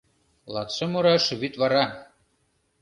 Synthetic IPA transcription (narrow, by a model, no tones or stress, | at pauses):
lˠɑt̪sɤ̆moɾɑʃɘ̆βyt̪βɑɾɑ